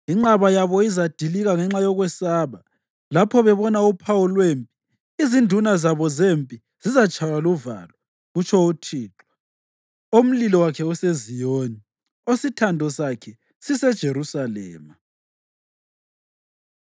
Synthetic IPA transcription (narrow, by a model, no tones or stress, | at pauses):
iŋ͡ǁaβajaβɔizad̥ʱiliɣaŋɛŋ͡ǁajɔɣwɛsaːβa | lapʰɔβɛβɔnaupʰawulwempʼiː | zindʱunazaβɔzempʼi | z̥izat͡ʃʼʰajaluva̰ːlɔ | ɣut͡ʃʰʼɔutʰiːǁa | om̩lilɔwakʰɛusezijoːɲi | ositʰandʱɔsakʰɛ | sisɛd̥ʒ̥ʱeɾusalɛ̰ːma